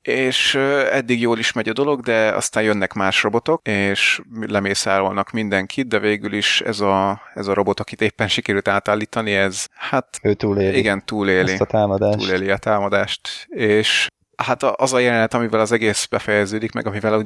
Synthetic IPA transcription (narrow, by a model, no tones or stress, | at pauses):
eːʃøɛd̪ːiɡjoːliʃmɛɟɒd̪o̞lo̞ɡd̪ɛɒ̰st̪aːnjønːɛkmaːʃro̞bo̞t̪o̞keːʃmlɛmeːsaːɾolnɒkmind̪ɛŋkʰit̪̚d̪ɛveːɡyliʃɛ̰zɒɛzɒɾo̞bo̞t̪ɒkit̪eːpːɛnʃikɛɾylt̪aːt̪aːlːiːt̪ɒniɛzhat̪øːt̪uːleːliɡɛnt̪uːleːlit̪aːmɒd̪aːṵːleːliɒt̪aːmɒd̪aːʃt̪eːʃ | hat̪ɒʔɒzɒjɛlɛnɛt̪ɒmivɛlɒzɛɡeːsbɛfɛjɛzøːd̪ikmɛ̰ɡɒmivɛlo